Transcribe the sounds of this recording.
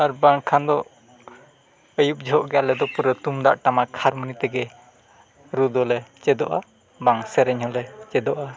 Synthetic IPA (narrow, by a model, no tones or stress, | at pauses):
aɾbaŋkʰand̪ɔ | əjup̚d͡ʒɔɦɔʔɡalɛd̪ɔpuɾət̪umd̪a̰ʔʈamakʰaɾmənit̪ɛɡɛ | ɾud̪ɔlɛt͡ʃɛd̪ɔʔa | baŋsɛɾɛɲhɔlɛt͡ʃɛd̪ɔʔa